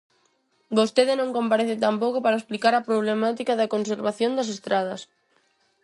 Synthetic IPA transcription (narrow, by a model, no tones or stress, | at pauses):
bost̪eðɪnõŋkõmpaɾeθɪt̪ampokopaɾaesplikaɾɐpɾoβlemat̪ikaðɐkonseɾβaθjond̪ɐs̬est̪ɾað̞ɐs